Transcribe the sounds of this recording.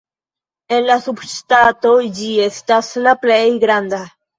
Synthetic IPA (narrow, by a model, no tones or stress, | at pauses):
e̞nlasubstatod͡ʒie̞staslaplejɡɾand̪a